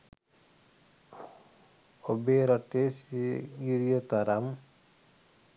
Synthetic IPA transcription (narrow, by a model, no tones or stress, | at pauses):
obeɾʌʈesɡiɾijot̪aɾam